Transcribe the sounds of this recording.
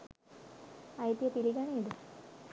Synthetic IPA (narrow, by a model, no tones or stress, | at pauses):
ajt̪jəpiliɡaneːd̪ə